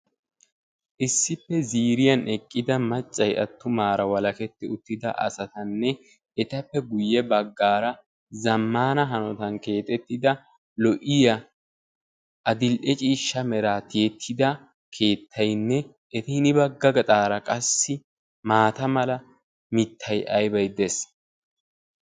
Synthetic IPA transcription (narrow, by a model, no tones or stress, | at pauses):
ʔɪsːɪpːɛziːɾɪjɐnʔɛkʼːɪd̪ɐmɐt͡ʃʼːɐjɐ̰t̪ːʊmaːɾɐwɐlɐkɛt̪ːɪʊt̪ːɪd̪ɐ̰ʔɐ̰sɐt̪ɐnːɛ | ɛt̪ɐpːɛɡʊjːɛbɐɡːaːɾɐ | zɐmːaːnɐɦɐnɔt̪ɐnke̞ːt̪ʼɛt̪ːɪd̪ɐ | lɔʔɪjɐ | ʔɐd̪ɪlʔɛt͡ʃʼiːʃːɐmɛɾaːt̪ɪjɛt̪ʰːɪd̪ɐ | kʰe̞ːt̪ʰːɐjnːɛ | ʔɛt̪ɪnɪbɐɡːɐɡɐt̪ʼaːɾɐkʼɐsːɪ | maːt̪ɐmɐlɐ | mɪt̪ʰːɐjʔɐjbɐjd̪ɛs